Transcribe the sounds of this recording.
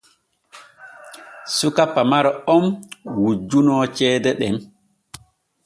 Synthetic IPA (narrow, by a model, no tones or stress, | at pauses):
sukapːamaɾɔɔmwud͡ʒːunɔːt͡ʃɛːdɛɗɛm